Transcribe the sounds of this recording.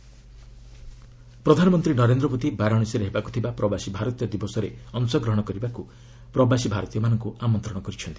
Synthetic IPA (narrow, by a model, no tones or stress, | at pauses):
pɾɔd̪ʱanɔmɔnt̪ɾinɔɾend̪ɾɔbot̪ibaɾɔɽ̃isiɾeɦebaku̥t̪ʰibapɾɔbasibʱaɾɔt̪ijɔd̪ibosɔɾeɔnusɔɡɾɔɦɔɽ̃ɔkɔɾibaku | pɾɔbasibʱaɾɔt̪ijɔmanɔŋkuʔamɔnt̪ɾɔɽ̃ɔkɔɾit͡ʃʰɔnt̪i̥